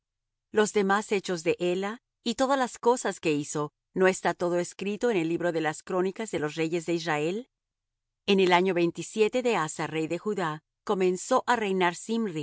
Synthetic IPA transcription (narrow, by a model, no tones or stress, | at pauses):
lo̞zðe̞mase̞t͡ʃo̞zðe̞ʔela | it̪o̞ðalasko̞saske̞iso̞ | no̞e̞st̪at̪o̞ðo̞eskɾit̪o̞ene̞lːiβɾo̞ðe̞laskɾo̞nikazðe̞lo̞sre̞ʝe̞zðe̞israe̞l | e̞ne̞laɲo̞βe̞jnt̪isje̞t̪e̞ðe̞asare̞jðe̞xuða | ko̞mẽ̞nso̞ʔarejnaɾsimri